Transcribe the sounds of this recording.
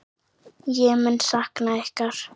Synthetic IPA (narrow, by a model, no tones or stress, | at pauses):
jɛɣmʏnsahknaɛhkaɾ̥